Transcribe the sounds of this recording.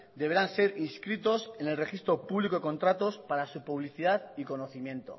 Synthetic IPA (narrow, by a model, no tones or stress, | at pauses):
d̪e̞βe̞ɾanse̞ɾiskɾit̪o̞se̞ne̞lre̞xist̪ɾo̞puβlikoeko̞nt̪ɾat̪o̞spaɾasupuβ̞liθiðaðiko̞no̞θimjẽ̞nt̪o̞̰